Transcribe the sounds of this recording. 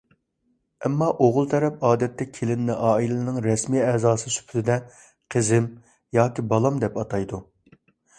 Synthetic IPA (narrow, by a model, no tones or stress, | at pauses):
ɛmːɑʔoʁʊlˠt̪ʰɛɾɛpɑːd̪ɛt̪ːɛkʲʰelɪnnɪʔɑːilɪɪɪnɪŋɾɛsmiːɛzɑːsɨsy̥pʰyt̪ɪd̪ɛ | qʰəzɪm | jɑːkʲibɑlˠɑmd̪ɛpɑt̪ʰɑjd̪u